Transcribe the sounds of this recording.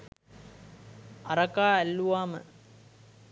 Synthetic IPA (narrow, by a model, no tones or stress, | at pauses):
ɐɾɐkaːælːuʋaːmə̰